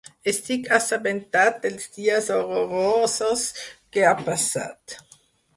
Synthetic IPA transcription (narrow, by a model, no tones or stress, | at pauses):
est̪ikasabent̪at̪̚d̪elzd̪iːazoɾoɾososkeapasa̰t̪